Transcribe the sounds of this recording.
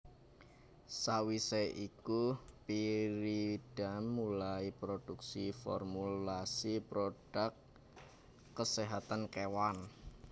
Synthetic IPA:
sawiseʔikupiɾiɖ̥amːulaipɾod̥uksifɔ̰rmulasipɾoɖ̥akː | əseɦat̪ankewan

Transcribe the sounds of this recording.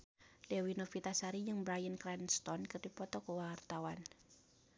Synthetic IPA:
lewinofit̪asaɾijɨŋbɾajənkɾɛnst̪ɔnkərdipɔt̪ɔkuwart̪awan

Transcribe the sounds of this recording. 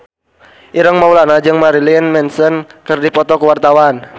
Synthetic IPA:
ʔiɾəŋmaulanad͡ʒɨŋmaɾilinmɛnsənkərdipɔt̪ɔkuwart̪awan

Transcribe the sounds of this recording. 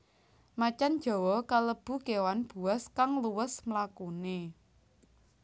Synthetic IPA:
mat͡ʃan̥ʒ̥ɔ̤wɔkaləb̥ṳkewanb̥ṳaskaŋluwəsmlakune

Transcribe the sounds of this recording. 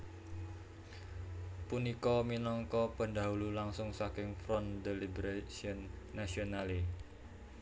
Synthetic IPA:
punikɔminɔŋkɔpəɳd̪a̤ɦululaŋsʊŋsakɪŋfɾɔnd̪elibɾaʃiɔnːasionale

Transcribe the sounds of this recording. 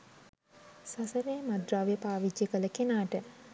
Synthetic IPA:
sasəɾeːmad̪ɾaːʋjəpaːʋid͡ʒjəkələkenaːʈə

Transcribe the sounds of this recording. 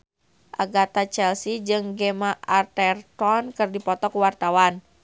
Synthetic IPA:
ʔaɡat̪at͡ʃɛlsid͡ʒɨŋɡemaʔart̪ɛrt̪ɔnkɨrdipɔt̪ɔkuwart̪awan

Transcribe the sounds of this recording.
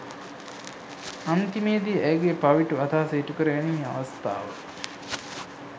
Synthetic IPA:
ant̪imeːd̪iʔæjɡepaʋiʈuɐt̪aːseːʈukəɾəɡænia̰ʋɐst̪a̰ːʋə̰

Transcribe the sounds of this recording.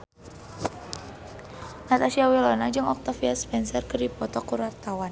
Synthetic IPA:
nat̪asiawilɔnad͡ʒɨŋɔk̚t̪afiaspɛnsɛrkərdipɔt̪ɔkuɾart̪awan

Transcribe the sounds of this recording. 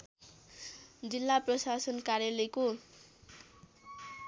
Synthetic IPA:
d͡zilːaprʌsasʌnkaɾjaleko

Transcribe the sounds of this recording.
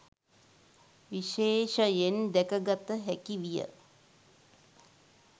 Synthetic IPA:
ʋiʃeːʃəjend̪ɛkəɡat̪əɦækiʋijə̰

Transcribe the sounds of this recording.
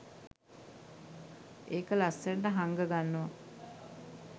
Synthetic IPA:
eːkəlasːeɾʈəɦaŋɡəɡanːoʋa

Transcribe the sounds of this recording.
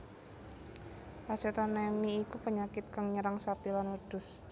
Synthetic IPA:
haset̪anɛmiːkupəɲakɪt̪̚kaŋɲəɾaŋsapilanwəd̪̥ʊ̤s

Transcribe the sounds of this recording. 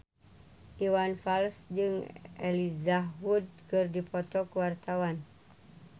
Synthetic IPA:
ʔiwanfalsd͡ʒɨŋʔɛlizawud̚kɨrdipɔt̪ɔkuwart̪awan

